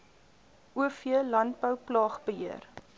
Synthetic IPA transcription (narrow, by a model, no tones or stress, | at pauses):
ʔuəfiəlɐnt̚bəwplɑːχbəɦiər